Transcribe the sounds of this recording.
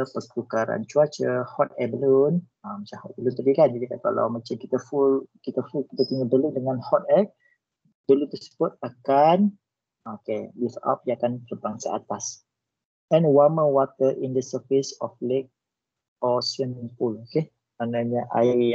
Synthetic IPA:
əpəkukaɾa̰nt͡ʃuat͡ʃəhɔt̪ɛbəlun | amə̃t͡ʃamhɔt̪̚bəlunt̪aɡikand͡ʒadikaka̰la̰wmat͡ʃamkit̪əfulkit̪əfulkit̪ət̪iɲəbəlundəŋãnhɔt̪̚ɛk̚ | d̥əlunt̪əsə̥b̥ʊt̪̚akan | okelifa̰p̚jaakant̪ərbaŋsa̰at̪as | ɛ̃nwaməwat̪əʔindəsəfisɔflek̚ | ɔsənɛnpuloke | manaɲəʔa̰

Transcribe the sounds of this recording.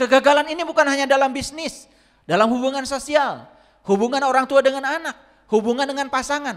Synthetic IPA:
kəɡaɡalaninibukanɦaɲadalambisnɪs | dalamhubuŋansosial | hubuŋanoɾaŋt̪uadəŋananak̚ | hubuŋandəŋanpasaŋan

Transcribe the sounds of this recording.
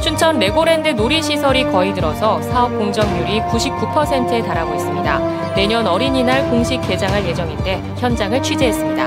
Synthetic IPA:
t͡ɕʰunt͡ɕʰʌnːe̞ɡoɾe̞ndɯnoɾiɕʰisʰʌɾikʌitɯɾʌsʰʌsʰaʌp̚k͈oŋd͡ʑʌŋɲuɾikuɕʰip̚k͈upʰʌsʰe̞ntʰɯe̞taɾaɡois͈ɯmɲida̰ | ne̞ɲʌnʌɾiɲinaɭkoŋɕʰik̚k͈ːe̞d͡ʑaŋɦaɭje̞d͡ʑʌŋinde̞ | çjʌnd͡ʑaŋɯɭt͡ɕʰɥid͡ʑeɦes͈ɯmɲida

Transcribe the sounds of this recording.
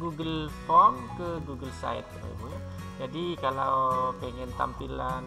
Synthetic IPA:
ɡuɡəlfɔrmkəɡuɡəlsa̰ɪ̰t̪̚ːəra̰bu | d͡ʒadikalawpeŋɛnt̪a̰mpilan

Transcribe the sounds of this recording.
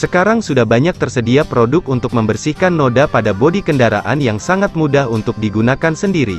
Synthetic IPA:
səkaɾaŋsudahbaɲak̚t̪ərsədiapɾodʊk̚unt̪ʊk̚məmbərsihkanːodapadabodikəndaɾa̰ʔa̰njaŋsaŋat̪̚mudahunt̪ʊk̚diɡunakansəndiɾḭ

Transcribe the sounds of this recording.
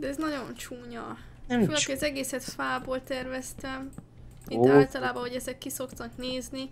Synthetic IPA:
d̪ɛɛznɒɟo̞nt͡ʃuːɲɒ | lɒkiɒzɛɡeːsɛt̪faːboːlt̪ɛrvɛst̪ɛm | it̪ːaːlt̪ɒlaːbɒɦo̞ɟɛzɛkːiso̞kt̪ɒkneːzni

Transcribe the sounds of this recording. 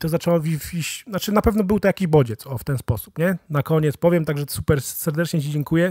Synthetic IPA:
t̪ɔzat͡ʂɛwɔvʲivʲiɕnat͡ʂɘnapɛvnɔbɘwt̪ɔjakʲiʑbɔd͡ʑɛt̪sɔft̪ɛnspɔsu̥pɲɛnakɔɲɛt̪spɔvʲjɛmt̪aɡʐɛsupɛɾsɛɾd̪ɛt͡ʂɲɛt͡ɕid͡ʑɛŋkujɛ

